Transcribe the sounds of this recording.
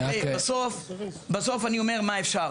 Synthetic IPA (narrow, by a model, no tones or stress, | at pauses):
ebasofbasofaniomeʁmaefʃa